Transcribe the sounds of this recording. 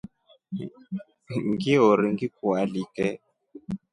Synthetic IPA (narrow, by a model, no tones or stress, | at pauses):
ŋɡiɔɾiŋɡikualikɛ